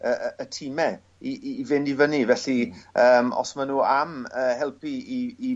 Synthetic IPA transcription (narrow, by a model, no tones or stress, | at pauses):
əəətʰimɛ | ivɪndivənivɛɬiəːmɔ̰smanuːaməːhɛlˠpʰiiː